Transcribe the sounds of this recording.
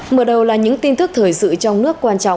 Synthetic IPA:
məː˨˩ɗə˨˩wlaː˨˩ɲɨ̰˧˥ŋt̪i˧nt̪ɨ˦˥k̚t̪ʰəː˨˩jsɨ̰˧˨t͡ɕɔ˧wŋ͡mnɨ˦˥əkːwaː˧nt͡ɕɔ̰˧˨wŋ͡m

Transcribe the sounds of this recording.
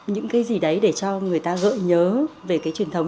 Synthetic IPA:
ɲɨ̰˧˥ŋkaː˨˦jzi˨˩ɗə˨˦jɗe˧˩t͡ɕɔ˧ŋɨ˨˩əjt̪aː˧ɣə̰ː˧˨ɲəː˨˦ve˨˩kaː˨˦jt͡ɕwi˨˩ənt̪ʰə˨˦wŋ͡m

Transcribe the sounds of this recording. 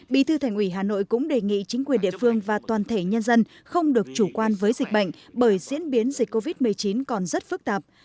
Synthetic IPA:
ɓḭ˧˨t̪ʰɨ˧t̪ʰɛ˨˩ŋ̟ʔi˧˩ɦaː˨˩no̰˧˨jkʊ̰˧˥ŋ͡mɗe˨˩ŋḭ˧˨t͡ɕï˨˦ŋ̟kwi˨˩nɗḭ˧ə˨fɨ˧əŋvaː˨˩t̪waː˨˩nt̪ʰe˧˩ɲə˧nzə˧n | xə˧wŋ͡mɗɨ˨˩ək̚t͡ɕu˧˩kwaː˧nvəː˨˦jzï˨˩ɓa̰˧˨jŋ̟ɓəː˧˩jzḭ˧˥ənɓi˨˦ənzi˨˩k̟̚kːo˧vi˦˥t̚mɨ˨˩əjt͡ɕi˨˦nkɔ˨˩nzə˦˥t̚fɨ˦˥k̚t̪aː˨˩p̚

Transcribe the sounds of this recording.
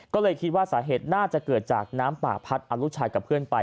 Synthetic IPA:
kɔː˥˩lɤː˧jkʰi˦˥t̪̚waː˥˩saː˩˦ɦeː˨˩t̪̚naː˥˩t͡ɕa˨˩kɤː˨˩t̪̚t͡ɕa̰ː˨˩k̚naː˦˥mpa̰ː˨˩pʰa˦˥t̪̚ʔa˧lu˦˥t͡ɕʰaː˧jka˨˩pʰɯ˥˩ənpa˧j

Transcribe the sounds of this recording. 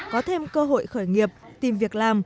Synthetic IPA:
kɔ˨˦t̪ʰe˧mkəː˧ɦo̰˧˨jxəː˧˩jŋi˨˩əp̚t̪i˨˩mvi˨˩ək̚laː˨˩m

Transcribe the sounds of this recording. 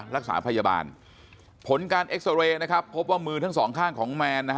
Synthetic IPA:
ɾa˦˥k̚sa̰ː˩˦pʰa˧jaː˧ba̰ː˧n | pʰo˨˩˦nkaː˧nʔe˦˥k̚sa˧weː˧na˦˥kʰa˦˥pʰːo˦˥p̚waː˥˩mɯː˧t̪ʰa˦˥˩ŋsɔː˩˦ŋkʰaː˥˩ŋkʰɔː˩˦ŋmɛː˧nːa˦˥k

